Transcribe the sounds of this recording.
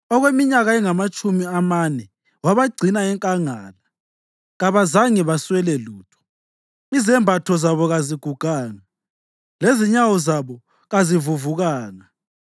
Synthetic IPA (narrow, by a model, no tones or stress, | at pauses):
ɔɣwemiɲaɣaɛŋamat͡ʃʼumiamanɛ | waβaɡ͡ǀʱinaɛŋkʼaŋaːla | ɣaβazaŋɛβaswɛlɛluːtʰɔ̥ | izɛmbʱatʰɔzaβɔɣaziɡ̥ʱuɡ̥ʱaːŋa | leziɲawɔzaβɔ | ɣazivuvuɣaːŋa